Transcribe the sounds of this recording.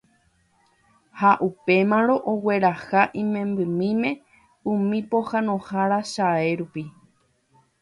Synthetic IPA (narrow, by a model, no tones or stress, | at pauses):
haʔupe̞mãɾ̃õ̞ʔowe̞ɾahaʔĩmẽ̞mbɨmĩmẽ̞ | ũmĩpo̞hãnõ̞haɾaʃae̞ɾupi